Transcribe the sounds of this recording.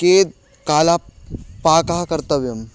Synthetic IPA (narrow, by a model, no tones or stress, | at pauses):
keːd̪̚ | kaːlapaːkakɐɾt̪əʋjɐm